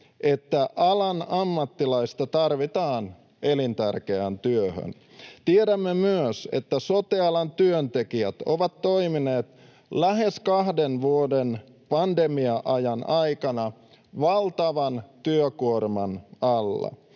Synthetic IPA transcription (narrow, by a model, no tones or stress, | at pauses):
ʔet̪ːæʔɑlɑnɑmːɑt̪ːilɑist̪ɑt̪ɑrʋit̪ɑːn | ʔelint̪ærkeænt̪yøhø̰n | t̪ieɾæmːemyøsḛt̪ːæsot̪eɑlɑnt̪yønt̪ekiæt̪o̰ʋɑt̪to̞imineːt̪ | læɦeskɑhdenʋuoden | pɑndemiɑʔɑjɑnʔɑikɑnɑ | ʋɑlt̪ɑʋɑnt̪yøkuormɑnɑlːɑ̰